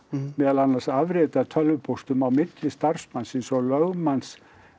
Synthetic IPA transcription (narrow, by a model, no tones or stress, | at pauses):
mɛːðlanːar̥savɾɛːt̪aðt̪ʰœlvʏpʰowst̪ʏmawmɪt̪lɪst̪ar̥smansɪnsɔlœɣmans